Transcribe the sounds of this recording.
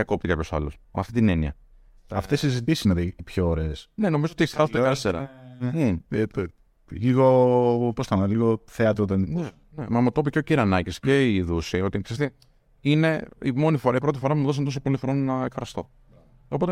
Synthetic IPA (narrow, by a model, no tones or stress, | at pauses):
ɐko̞p̚t̪ikɐpço̞sɐ̰lo̰smɐ̰ft̪it̪ineniɐ̰ | ɐft̪esizit̪isisnɐðet̪ipçoːɾesneno̞mizoot̪eçsɐsot̪ist̪eɾɐ̰ein | liɣopost̪ɐnɐliɣoθeɐt̪ɾot̪enine | nemɐmut̪o̞piceociɾɐnɐcisceiðusio̞t̪iksɐst̪e | ine̞ḭmo̞nifoɾɐipɾo̞t̪ifoɾɐpumuðo̞s̬ɐnt̪os̬opolifɾoninɐekfɾɐst̪o̞ | opo̞t̪e